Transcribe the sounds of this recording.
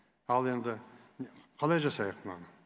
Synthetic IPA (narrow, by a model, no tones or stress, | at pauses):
ɑlˠe̞nd̪ɪ | qʰɑlˠɑjʒɑsɑjəqnɑ̰nə